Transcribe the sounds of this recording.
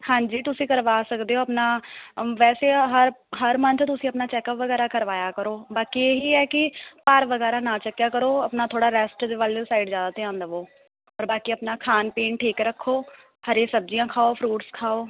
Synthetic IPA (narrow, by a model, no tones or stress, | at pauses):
hãːɲd͡ʒiːt̪ʊsĩːkəɾʋaːsəkd̪eːoːəpnaːʋɛːseːɦəɾɦəɾmənt͡ʃʰt̪ʊsĩːəpnaːt͡ʃɛːkəpʋəɡɛːɾaːkəɾʋaːjaːkəɾoːbaːkiːeːɦiːɛːkɪpaɾʋəɡɛːɾaːnãːt͡ʃəkːjaːkəɾoːəpnaːt̪ʰoːɽaːɾɛːsʈd̪eːʋələsaːɪɖzjaːd̪aːt̪eãːnd̪əʋoː | ɔːɾbaːkiːəpnaːkʰaːnpeːɳʈʰiːkɾəkʰːoː | həɾẽːsəb̚d͡ʒijãːkʰaːoːpʰɾuːʈskʰaːoː